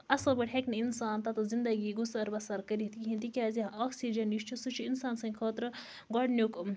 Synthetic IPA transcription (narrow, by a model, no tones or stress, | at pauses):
ɐsɐlbɐʈʲɦekniinsaːnt̪ɐt̪ɨzind̪ɐɡiːɡusɐɾbɐsɐɾkɐɾit̪kiɦĩnt̪ikʲaːzioːksid͡ʒɐnjiʃt͡ʃʰusut͡ʃʰuinsaːnsɐ̃ŋʲkʰəːt̪ɾɨ | ɡaːɖnjuk